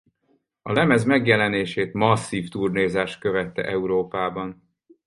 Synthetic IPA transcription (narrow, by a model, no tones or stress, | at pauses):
ɒlɛmɛzmɛɡjɛlɛneːʃeːt̪mɒsːiːft̪urneːzaːʃt̪̚kø̞vɛt̪ːɛ̰ʔɛuɾoːpaːbɒn